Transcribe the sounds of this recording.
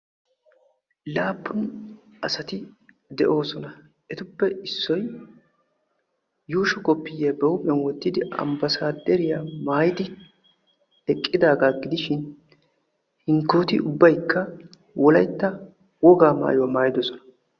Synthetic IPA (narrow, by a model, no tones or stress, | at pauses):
laːpːʊnɐsɐt̪ɪ | d̪ɛʔo̞ːsɔnɐ | ɛt̪ʊpːɛɪsːɔj | juːʃɔkʼɔpːɪjeːbɛwʊpʼɛnwɔt̪ːɪd̪ɪʔɐ̰mbɐsaːd̪ɛɾɪjamaːjɪd̪ɪ | ɛkʼːɪd̪aːɡaːɡɪd̪ɪʃɪn | hɪŋkːoːt̪ɪʊbːɐjkːɐ | wɔlɐjt̪ːɐ | wɔɡaːma̰ːjɔmaːjɪd̪ɔsɔnɐ̥